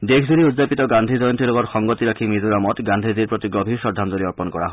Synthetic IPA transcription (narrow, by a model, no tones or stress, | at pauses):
d̪ekʰd͡ʒuɾiud͡ʒapit̪ɔɡand̪ʱid͡ʒɔjɔnt̪ilokɔɾxɔŋɡɔt̪iɾakʰimid͡ʒuɾamɔt̪ɡand̪ʱid͡ʒiɾpɾɔt̪iɡɾɔbʱiʃɔd̪ʱːand̪ɔɾiɔɾpɔnkɔɾa̰ɦ